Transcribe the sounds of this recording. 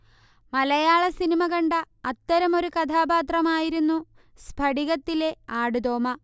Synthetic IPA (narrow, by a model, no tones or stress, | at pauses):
mɐlɐjaːɭɐsinimɐɣɐɳɖɐ | ɐt̪ːɐɾɐmo̞ɾukɐd̪ʰʱaːbaːt̪rɐmaːjiɾunːu | sbʱɐɽiɣɐt̪ːile̞aːɽud̪o̞ːmɐ